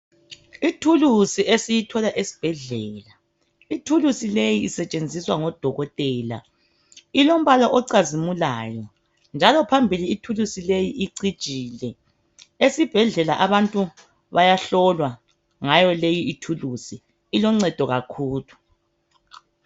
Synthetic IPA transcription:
itʰulusiʔesijitʰɔlaʔesi̥b̥ʱɛɮɛːla | itʰulusilejiːsɛt͡ʃʼend͡zʱiswaŋɔd̥ʱɔɣɔtʼɛːla̰ | ilom̩βalɔʔɔǀazimulaːjɔ | nd͡ʒʱalɔpʰambʱiliːtʰulusilejiʔiǀid̥t͡ʃʼiːlɛ | esib̥ʱɛɮɛlaʔaβantʼu | βajaɬɔlwa | ŋajɔlejiitʰulusiː | lɔŋ͡ǀɛd̥ʱɔɣakʰuːlu

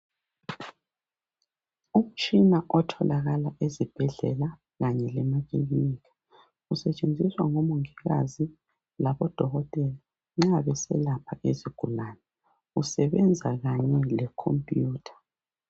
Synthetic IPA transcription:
um̩t͡ʃʼinaʔɔtʰɔlaɣalaʔezib̥ʱɛɮɛla | ɣaɲɛlɛmatʰʼeɣiniːkʰḁ | usɛt͡ʃʼend͡zʱiswaŋomuŋiɣa̰zi | laβɔd̥ʱɔɣɔtʼɛla | ŋ͡ǁaβɛsɛ̰lapʰaʔeziɡ̥ʱulaːnɛ | usɛβɛnd͡zʱaɣaɲɛlɛkʰo̰mpʼjuːtʰḁ

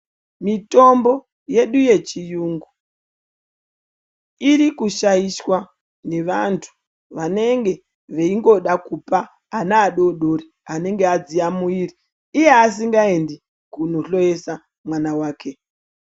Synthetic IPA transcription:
mito̞mbo̞ | je̞ɗuje̞t͡ʃijuŋɡu | iɾikuʃajiswa | ne̞ʋantʰu̥ | ʋane̞ŋɡe̞ | ʋeiŋɡo̞ɗakupaː | naːɗo̞ɗo̞ɾi | ane̞ŋɡead͡ziamuiːriː | je̞as̬iŋɡae̞ndi | kunoɬo̞je̞sa | mwanawaːke̞

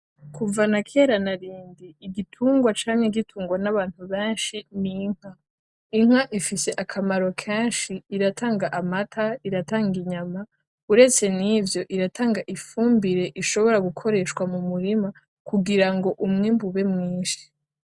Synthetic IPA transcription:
kʰuvanakʰeːɾanaɾiːndiːɡitʰuːŋɡwat͡ʃaːɲeɡitʰuːŋɡwanaβaːn̥uβeːnʃiniŋ̥a | iŋ̥aʔifise̞ʔakʰamaɾo̞kʰeːnʃiːɾatʰaːŋɡaʔamatʰaiɾataːŋɡiɲama | uɾe̞t͡se̞nivjo̞ʔiɾatʰaːŋɡaʔifuːmbiɾe̞ʔiʃo̞βo̞ɾaɡukʰo̞ɾe̞ːʃkwamumuɾima | kuɡiɾaŋɡo̞ʔumŋiːmbuβe̞mŋiːnʃi̥

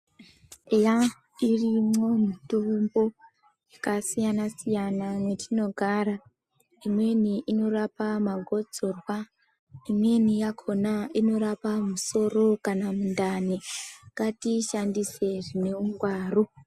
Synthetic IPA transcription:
eja | irimo̞mitumbo | jakasijanasijanamwetʰino̞ɡʱaɾa | imwe̞niʔino̞rapamaɡʱo̞d͡zo̞rwa | imwe̞nijakʰo̞naino̞ɾapamuso̞ro̞kanamundanekatiʃandise̞ʐine̞uŋɡwaːru

